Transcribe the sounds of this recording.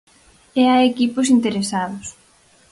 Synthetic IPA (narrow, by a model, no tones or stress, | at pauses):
eaekiposint̪eɾesaðʊs